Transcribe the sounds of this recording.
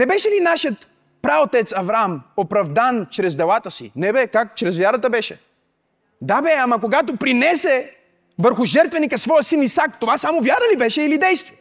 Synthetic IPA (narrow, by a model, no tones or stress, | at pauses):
nɛbɛʃɛlinaʃjət̪ | pɾaot̪ɛt̪sɐvɾamopɾɐvd̪ant͡ʃɾɛzd̪ɛlˠat̪əsḭnɛbɛkakt͡ʃɾɛzvjaɾət̪əbɛʃɛ̰ | d̪abɛamɐk̬oɡat̪opɾinɛsɛ | vəɾxʊʒɛɾt̪vɛnikəsvɔjəsinisak̚t̪ovasamovjaɾəlibɛʃɛilid̪ɛjst̪v